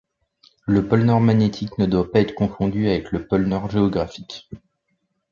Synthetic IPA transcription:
ləpɔlnœʁmanet̪ʰiknəd̪wapaɛt̪χkɔ̃fɔ̃d̪yavɛkləpɔlnœʁʒeɔɡʁafik

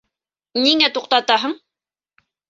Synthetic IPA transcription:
niŋæt̪uq̚t̪ɑt̪ɑɦɤɴ

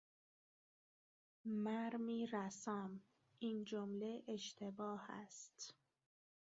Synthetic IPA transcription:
mæɾmiːɾæsæm | ʔiːnd͡ʒomle̞ʔeʃt̪ʰe̞bɒːhæ̰st̪

